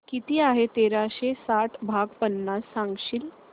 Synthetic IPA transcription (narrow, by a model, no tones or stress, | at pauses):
kit̪iːaɦet̪eɾaɕesaʈʰbʱaɡpənːasːãŋɡɕiːl